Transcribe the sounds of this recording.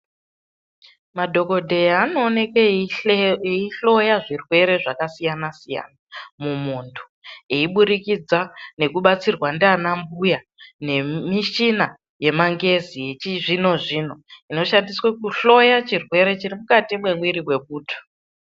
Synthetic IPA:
madʱo̞ko̞dʱe̞jaːnoːne̞ke | iɬo̞jaʐirwe̞ɾe̞ʐakasijanasija̰namumuntʰu̥ | eiɓuɾikid͡zane̞kuɓat͡sirwandanambuja | ne̞miʃina | je̞maŋɡe̞ziet͡ʃiʐino̞ʐino̞ino̞ʃandiswekuɬo̞jat͡ʃirwe̞ɾe̞t͡ʃirimukatimwe̞ŋwiɾiwe̞ɓ̚uːtʰo̥

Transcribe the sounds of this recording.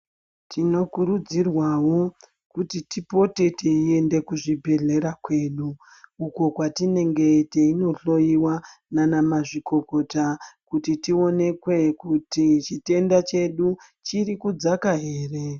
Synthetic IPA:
tʰino̞kuɾud͡zirwawo̞ | kutitipo̞te̞teie̞nde̞kuʐibʱe̞ɮe̞ɾakwe̞ːɗuː | uko̞kwatine̞ŋɡe̞teino̞ɬo̞jiwananamaʐikʰo̞ko̞takutitio̞ne̞kwe̞kutit͡ʃite̞ndat͡ʃe̞ɗu | t͡ʃirikud͡zakaɦe̞ːre̞

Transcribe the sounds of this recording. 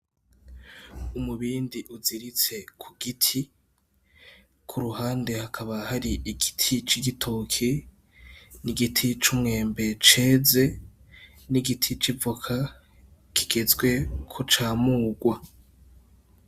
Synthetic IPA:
umuβiːndiʔuziɾit͡se̞kʰuɡitʰi | kʰuɾuɦaːnde̞hakʰaβahaɾiiɡ̥itʰit͡ʃiɡitʰokʰe | niɡitʰit͡ʃumŋe̞ːmbe̞t͡ʃe̞ːze̞ | niɡitʰit͡ʃivukʰa | kʰi̥ɡ̥e̞zɡwe̞kʰot͡ʃaːmuːɡwa

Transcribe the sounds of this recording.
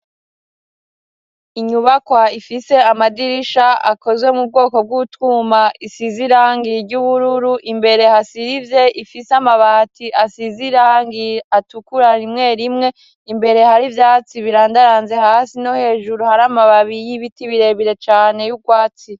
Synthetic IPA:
iɲuβakwaifise̞amadiɾiʃaa̰ko̞zwe̞mub̚ɡo̞ːko̞b̚ɡutumaisiziɾaŋɡiɾɟuβuɾuɾuʔimbe̞ɾe̞hasiɾivje̞ʔifisamaβaːtiʔasiziɾaŋɡiatukuɾaɾimŋe̞ːɾimŋe̞ | imbe̞ɾe̞haɾivjaːt͡siβiɾaːndaɾanze̞haːsino̞he̞ːʒuɾuhaɾamaβaβijiβitiβiɾe̞βiɾe̞t͡ʃaːne̞juɡwaːt͡si

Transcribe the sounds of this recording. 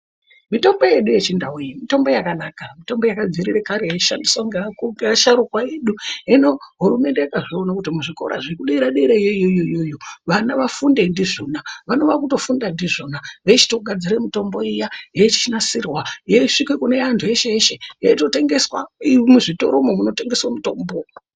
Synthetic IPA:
mito̞mbo̞je̞ɗuje̞t͡ʃindawujimito̞mbo̞jakanaːkamito̞mbojakad͡ziɾirekaɾijaiʃandiswaŋɡeakupaʃaɾukwaeɗuino̞ɦuɾume̞nde̞jakaʐionakutimuʐiko̞̰ɾa̰ʐekuɗiɾaɗiɾeijoijojoijojoʋanaʋafundendiʐoːnaʋano̞ʋakuto̞fundandiʐonaʋe̞t͡ʃi̥toɡʱad͡ziɾemito̞mbo̞ijajet͡ʃi̥t͡ʃinasirwajeiʂikwekune̞antʰuje̞ʃeeʃejaito̞te̞ŋɡeswamuʐito̞̰ɾomomuno̞te̞ŋɡe̞swamuto̞ːmbo

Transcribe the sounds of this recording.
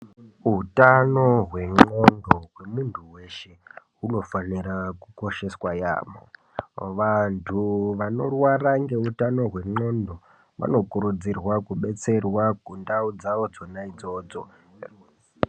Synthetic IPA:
ɦutano̞ɦwe̞ŋ͡ǃo̞ndo̞ɦwe̞muntʰuwe̞ʃeɦuno̞fanirakuko̞ʃe̞swaja̰ːmo̰ | ʋantʰuʋano̰rwaraŋɡe̞ɦutano̞ɦwe̞ŋ͡ǃo̞ndo̞ | ʋa̰no̞kuɾud͡zirwakuɓe̞t͡se̞rwakundaud͡zaʋo̞d͡zonaid͡zo̞ːd͡zo̞̰

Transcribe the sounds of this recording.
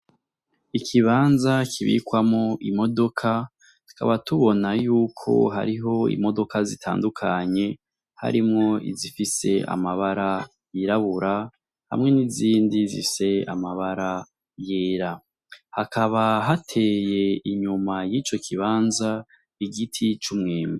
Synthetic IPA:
ikʰiβaːnzakʰiβḭkwamŋoʔimo̞do̞kʰa | tu̥ka̰βatuβo̞najuːkʰo̞̰ɦa̰ɾiɦo̞ḭmo̞do̞kazitʰa̰ːndukʰaɲe̞ | ha̰ɾimŋo̞ḭzifise̞̰a̰maβaɾa | jiɾaβuɾa | ha̰mŋe̞niziːndizḭse̞a̰maβaɾa | jeːɾa | hakaβaɦatʰe̞ːje̞iɲumajiːt͡ʃo̞kʰiβaːnza | iɡitʰit͡ʃumŋeːmi

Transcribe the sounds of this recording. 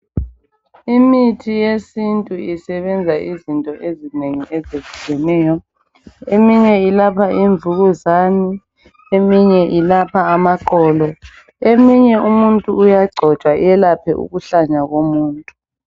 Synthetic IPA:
imitʰijesintʼuisɛβɛnd͡zʱaizintʼɔʔezineŋiʔezev̥uɣɛnɛːjɔ | emiɲɛilapʰaʔiɱvʱuɣuzani | emiɲɛʔilapʰaːmaǃɔːlɔ | emiɲɛumuntʼuujaɡ͡ǀʱɔ̥t͡ʃʼwa̰ɛlapʰɛʔṵɣuɬaɲaɣomuːntʼu

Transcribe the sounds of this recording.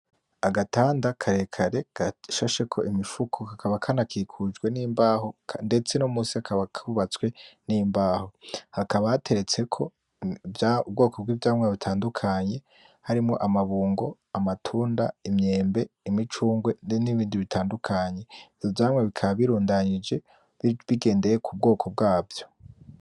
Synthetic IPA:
aɡataːndakʰaɾe̞kʰaɾe̞ɡ̥aʃaʃe̞kʰo̞̰ʔimifukʰohakaβakʰanakʰiːkʰud͡ʒɡwe̞niːmbaːhokʰnde̞t͡se̞nomuːsiakʰaβakʰuβat͡swe̞nimbaːho̞hakaβahatʰe̞ɾe̞t͡se̞kʰo̞ | jaubɡo̞ːko̞b̚ɡiːvjaːmŋeaβitʰaːndukʰaɲe̞ | haɾimŋo̞̰ʔamaβuːŋɡo̞ | amatʰuːnda̰imɲe̞ːmbe̞imit͡ʃuːŋɡwe̞niβiːndiβitʰaːndukʰaɲe̞ivzovjaːmŋweβikʰaβaβiɾuːndaɲid͡ʒe̞ | βiɡe̞ːnde̞jekʰub̚ɡo̞ːkʰo̞b̚ɡaːvjo̞̥

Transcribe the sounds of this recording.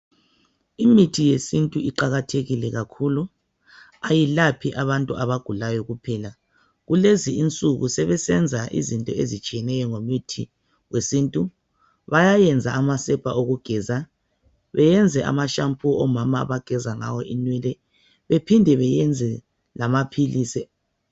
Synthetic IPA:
imitʰijesintʼuiǃaɣatʰeɣilɛɣakʰuːlu | ajilapʰiʔaβantʼuaβaɡ̥ʱulajɔɣupʰɛːla | ɣuleziint͡sʼuɣusɛβɛsɛnd͡zʱaʔḭzintʼɔezit͡ʃʼijɛnɛjɔŋomitʰi | wesintʼu | βajajɛnd͡zʱaːmasɛb̥ʱaʔoɣuɡ̥ʱɛza | βɛjɛnd͡zʱɛʔa̰maʃampʰuɔmama̰ːβaɡ̥ʱɛzaŋa̰wɔʔinwɛlɛ | βepʰindʱɛβɛjɛnd͡zʱɛ | lamapʰiliːsɛ

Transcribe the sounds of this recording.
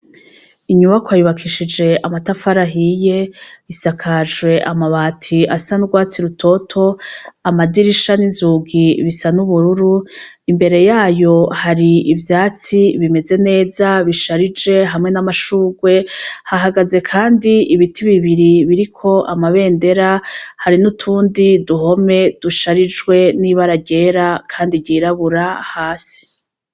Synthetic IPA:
iɲuβakwajuβakʰiʃid͡ʒe̞amatafaɾaɦije̞isakʰaʒwe̞ʔamaβaːtʰiasanuɡwaːt͡siɾutʰo̞tʰo̞amadiɾiʃaninzuːɡiβisanuβuɾuɾu | imbe̞ɾe̞jaːjo̞haɾiivjaːt͡siβime̞ze̞ne̞ːzaβiʃaɾid͡ʒe̞ɦamŋe̞namaʃuːɡwe̞haɦaɡaze̞kʰaːndiiβitʰiβiβiɾiβiɾikʰo̞ʔamaβe̞ːnde̞ɾahaɾinutʰuːndiduɦo̞me̞d̥uʃaɾid͡ʒɡwe̞niβaɾaɟe̞ːɾakʰaːndiɟiːɾaβuɾahaːsi̥

